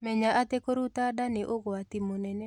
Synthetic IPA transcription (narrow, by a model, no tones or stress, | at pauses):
mɛɲaʔat̪ekoɾut̪adaneʔoɣoat̪imonɛnɛ